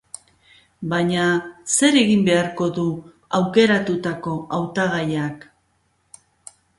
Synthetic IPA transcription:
baɲase̞ɾe̞ɣimbe̞aɾko̞ðu | awke̞ɾat̪ut̪ako̞awt̪aɣ̞ajak

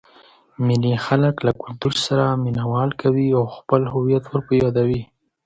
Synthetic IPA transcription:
mɪlixaləklakʊlt̪uɾsaɾaminawɑlkawiawxpəlhʊwijat̪wəɾpəjɑd̪awi

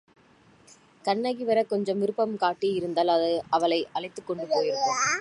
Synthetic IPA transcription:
kɐɳːɐɣiʋɐɾɐkɔɲd͡ʒɐmʋɪɾɯpːɐmkaːʈːiɪɾɯnd̪aːlɐðɐɐʋɐlɐɪʔɐɭɐɪt̪ːɯkːɔɳɖɯpoːjɪɾɯɐ

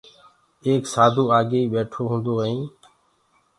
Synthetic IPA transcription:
eːksaːd̪ʱuːaːɡeːiːɓeːʈʰoːɦũːnd̪oːɦəĩː

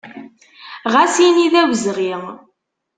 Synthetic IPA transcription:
ʁæsiniðæwəzʁiʁ

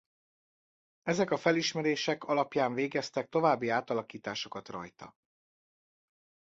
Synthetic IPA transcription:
ɛzɛkɒfɛliʃmɛɾeːʃɛkɒlɒpjaːɱveːɡɛst̪ɛk̚t̪o̞vaːbːiaːt̪ɒlɒkiːt̪aːʃo̞kɒt̪rɒ̰jt̪ɒ̰

